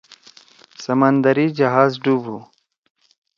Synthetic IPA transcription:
sɐmɐnd̪ɐɾiːd͡ʒɐɦaːzɖuːbʱu

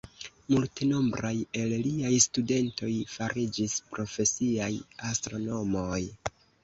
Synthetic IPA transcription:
multeno̞mbɾaje̞lliajstude̞nto̞jfaɾʔid͡ʒispɾo̞fe̞siajastɾo̞no̞mo̞j

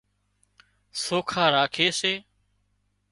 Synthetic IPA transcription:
soːkʰaːɾaːkʰeːseː

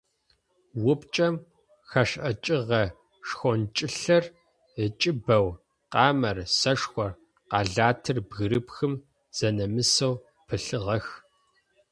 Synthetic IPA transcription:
wʊpt͡ʃʼɐm | xɐʃʔɐt͡ʃʼɪʁɐ | ʂxʷɔnt͡ʃʼɪɬɐr | ət͡ʃʼɪbɐw | qɑːmɐrsɐʂxʷɔr | qɑːɮaːtʰɨrbɣɨɾɨpxɨm | z̥ɐnɐmɨsɐw | pʰɨɬɨʁɐx

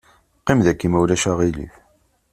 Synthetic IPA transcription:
qːimðækːimæwlæʃaʁilḭθ

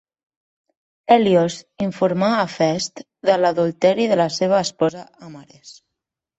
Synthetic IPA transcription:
ɛljoziɱfuɾmaːfɛst̪ | d̪ələðulˠt̪ɛɾiðələseβ̞əːspɔzaamaɾes

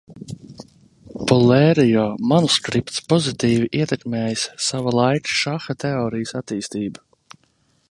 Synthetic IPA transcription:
pɔlɛɾijɔːmanuskɾipt̪spɔzit̪iːviʔiɛt̪ɛkmʲeːjəsːavalˠajkʃaxat̪ɛɔːɾijəsat̪iːst̪iːba

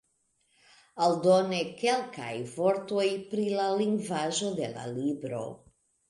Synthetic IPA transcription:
ald̪onekelkʰa̰jvoɾt̪ojpɾilaliŋɡvaʒo̞d̪e̞la̰libɾo̞̰

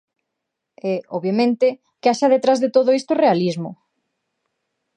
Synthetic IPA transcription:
ɛɔβjamẽnt̪ɪ | keaʃaðet̪ɾazðet̪oðoist̪orealizmʊ

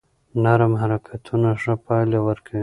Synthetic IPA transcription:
naɾamɦaɾakʰat̪ʰunaʂapɑjlewəɾkʰawi

